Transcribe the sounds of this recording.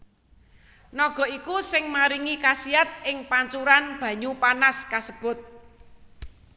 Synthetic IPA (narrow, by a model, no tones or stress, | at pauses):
nɔɡ̥ɔ̤ikusɪŋmaɾiŋikasiat̪̚ʔɪŋpaɲt͡ʃuɾanb̥ä̤ɲupanaskasəb̥ʊ̤t̪̚